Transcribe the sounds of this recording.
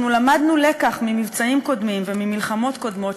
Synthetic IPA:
nulamad̪nulekaχmimivt͡saimko̞dmimvemimilχamo̞t̪ko̞d̪mo̞

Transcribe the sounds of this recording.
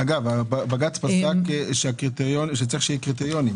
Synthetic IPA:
aɡavababaɡat͡spasakʃeakʁit̪eʁjonʃet͡saʁiχʃejikʁit̪eʁjonim

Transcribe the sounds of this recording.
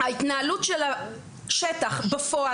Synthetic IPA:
hait̪naalutʃela | ʃetaχbefoa

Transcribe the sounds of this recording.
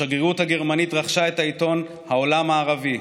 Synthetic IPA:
aɡeut̪haɡeʁmanit̪ʁaχʃaet̪ait̪o̞n | hao̞lamaːʁavi

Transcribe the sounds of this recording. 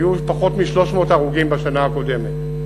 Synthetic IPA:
jupaχo̞tmiʃlo̞ʃmo̞ːtaʁuɡimbaʃanaːko̞de̞met

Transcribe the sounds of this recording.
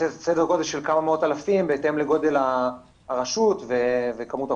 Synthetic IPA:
esedeʁko̞d̪eʃelkamameo̞t̪alafimbeete̞mleɡo̞d̪e̞laː | ʁaʃutvevekamuta

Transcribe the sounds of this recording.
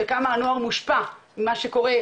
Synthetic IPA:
kamaːnoaʁmuʃpamimaʃekoʁe

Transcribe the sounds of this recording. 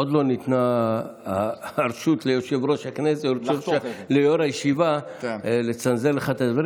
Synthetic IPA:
od̪lo̞nit̪na | ɾʃut̪lejoʃevɾo̞ʃhakneseʃelejoɾajeʃiva | let͡sanzeleχat̪ad̪vaɾ

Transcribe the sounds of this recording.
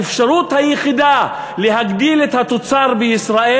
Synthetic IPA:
efʃaʁut̪hajeχid̪a | le̞ɦaɡdilet̪hat̪o̞t͡saʁbeisʁaʔe

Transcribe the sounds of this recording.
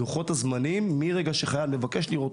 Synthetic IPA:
uχo̞t̪azmanimːiʁe̞ɡaʃe̞χajavle̞vake̞ʃliʁot

